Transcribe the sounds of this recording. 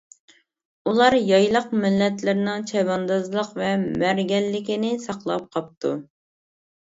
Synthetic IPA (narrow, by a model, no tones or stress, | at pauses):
ulˠɑɾjɑjlˠəqmɪlːɛt̪lɪɾnɪŋt͡ʃʰɛbɑnd̪ɑzlˠəqvɛmæɾɡʲɛlːɪkʲinɪsɑqlˠɑ̰p̚qʰɑp̚t̪ʰṵ